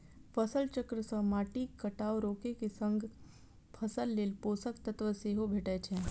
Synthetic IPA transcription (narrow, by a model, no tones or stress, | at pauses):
pʰəsəlt͡ʃəkɾəsə̃maːʈikəʈaːoɾoːkekesə̃ŋɡʱ | pʰəsəlːeːlpoːsəkt̪ət̪ʋəseɦobʱeːʈɛt͡ʃʰɛ̃